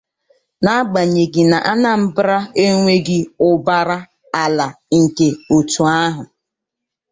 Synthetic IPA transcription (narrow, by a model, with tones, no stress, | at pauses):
na˦ɡ͡ba˨ɲe˨ɡɪ˨na˨ʔa˦na˨m̩˦bɾa˦e˦ŋʷe˦ɡɪ˦ʊ˦ba˦ɾa˦ | a˨la˨ | ŋ̩˨ke˨o˨tu˨a˦ɦʊ˨